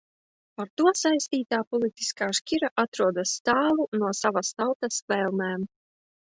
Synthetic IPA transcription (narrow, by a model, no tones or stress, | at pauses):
paɾt̪uɔsajst̪iːt̪aːpɔlʲˠit̪i̥skaːʃkʲiɾaʔat̪ɾuɔd̪asːt̪aːlˠunuɔsavast̪awt̪asvɛlˠmɛːm